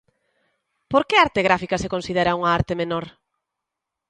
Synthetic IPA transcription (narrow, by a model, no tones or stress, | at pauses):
poɾkeaɾt̪eɣɾafikɐsekonsiðeɾɐuŋɐaɾt̪emenoɾ